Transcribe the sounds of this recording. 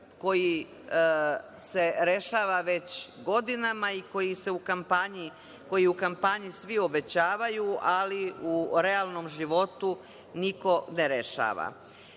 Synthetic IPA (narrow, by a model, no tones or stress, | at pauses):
ko̞ji | se̞ɾe̞ʃaːʋaʋe̞t͡ɕɡo̞d̪inamaiko̞jise̞ukampaɲi | ko̞jiukampaɲisʋio̞be̞t͡ɕaːʋajualiuɾealˠno̞mʒiʋo̞t̪u | niko̞neɾe̞ʃa̰ːʋa̰